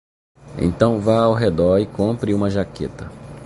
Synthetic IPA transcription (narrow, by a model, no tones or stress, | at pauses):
ḛ̃t̪ɐ̃w̃vaawɦed̪ɔɾɪkõmpɾiũmɐʒaket̪ɐ